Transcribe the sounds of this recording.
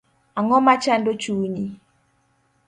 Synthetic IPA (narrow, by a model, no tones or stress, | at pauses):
aŋɔmat͡ʃandot͡ʃuːɲi